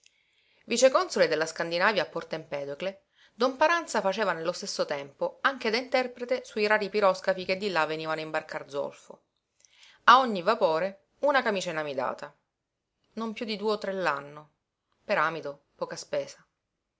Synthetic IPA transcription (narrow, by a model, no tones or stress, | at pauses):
vit͡ʃekɔnsoled̪elːaskand̪inaːvjaːpːɔrt̪aimpɛːd̪okle | d̪ompaɾant̪safat͡ʃeːvanelːost̪esːot̪ɛmpoaŋk̟ed̪aint̪ɛrpɾet̪esuiɾaːɾipiɾɔskapiked̪ːilavːeniːvanoimbarkard̪zo̰lfo̰ | aoɲːivapoːɾe | unakamiːt͡ʃaenamid̪a̰ːt̪a | nompjud̪id̪uːeot̪ːɾelːanːo | peɾaːmit̪o | pɔːkaspɛːsa